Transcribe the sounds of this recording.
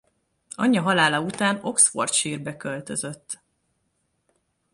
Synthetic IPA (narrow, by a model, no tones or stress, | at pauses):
ɒ̰ɲːɒɦɒlaːlɒut̪aːno̞ksfo̞̰rt̪ʃiːrbɛkølt̪ø̞zø̞t̪ː